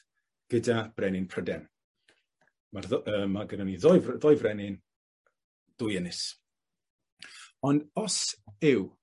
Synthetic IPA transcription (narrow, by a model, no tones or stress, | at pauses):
ɡ̥ədab̥rɛnɪnpʰrədɛn | marðəːmːaɡənɔniðɔjvðɔjvrɛnɪn | d̥ʊjɛnɪs | ɔndɔsɪw